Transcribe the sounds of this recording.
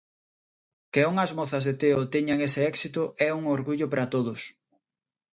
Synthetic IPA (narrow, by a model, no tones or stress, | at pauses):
kɪoŋɐzmɔθɐzðet̪eʊt̪ɛɲaŋesɪɛksit̪ʊʔɛuŋoɾɣuʎʊpɾɐt̪oð̞ʊs